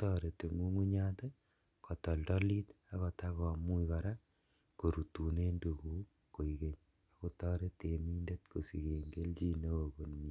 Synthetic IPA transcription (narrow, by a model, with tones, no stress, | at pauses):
tɔ˦ɾe˨te˨ŋu˦ŋu˦ɲa˦te˦ | kɔ˨tɔ˨ldɔ˦li˦t | a˦kɔ˨ta˦kɔ˨mu˦ika˨ɾa˦ | ko˨ɾu˨tu˨ne˦ndu˨ku˦ | ko˨i˨ke˦ɲ | a˨ko˦tɔː˦ɾe˦te˨mi˦nde˦tko˨si˨ke˨ŋɡe˦lt͡ʃi˦ne˦o˨ko˨nmi˨